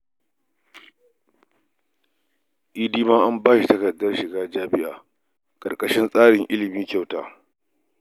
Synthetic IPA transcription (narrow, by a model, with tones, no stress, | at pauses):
ʔiː˦diː˦maː˦ʔa˦mbaː˦ʃi˨tɐ˦kɐ˨dːɐ˦rʃɪ˨ɡaː˦d͡ʒaː˦bɪ˦ʔa̰ː˨ | kʼɐ̰˨rkʼɐ˨ʃɪ˦nsʼaː˦ɽɪ˨ŋʔɪ˦lɪ˨miː˦kʲa˦˨wta̰ː˨